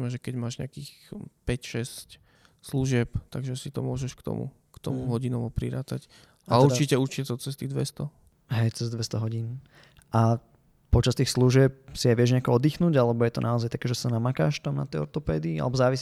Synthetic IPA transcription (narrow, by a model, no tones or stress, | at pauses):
mɛʒɛkɛɟmaːʒɲɛ̰akiːxpɛcʃɛsc | sluʒɪɛpt̪aɡʒɛsit̪ɔmʊɔʒɛʃkt̪ɔ̰mṵ | kt̪ɔ̰muɦɔɟinɔʋɔpɾiɾaːt̪ac | ʔauɾdt͡ʃicɛuɾt͡ʃicɛt̪ɔt͡sɛst̪iːɣd̪ʋɛst̪ɔ | ɦɛjt͡sɛzd̪ʋɛst̪ɔɦɔɟiːn | ʔa | pɔt͡ʃast̪iːxsluʒɪɛp̚siaʋɪɛʒɲɛakɔɔd̪iːxnuːɟalɛbɔjɛt̪ɔnʔaɔzajt̪ḁkɛːʒɛsanamaka̰ːʃt̪amna̰t̪ɛjɔ̰ɾt̪ɔpɛːd̪iːa̰lɛbɔzaːʋis